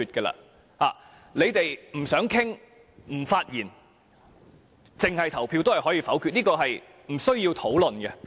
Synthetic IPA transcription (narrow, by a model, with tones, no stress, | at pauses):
yː˧t̚kɛ˧la̰ː˧ | haː˨˩ | le˨˧jt̪e˨jm̩˨˩sœː˨˥ŋkʰɪ˥ŋ | m̩˨˩faː˧t̚jiː˨˩n | t͡sɪ˨˩ŋhɐ˨jt̪ʰɐ˨˩wpʰi˧wt̪o˥whɐ˨jhɔː˨˥jiː˧fɐ˨˥wkʰyː˧t̚niː˥kɔː˧ɦɐ˨j | m̩˨˩sɵ˥ɥjiː˧wt̪ʰo˨˥wlɵ˨nɡɛ˧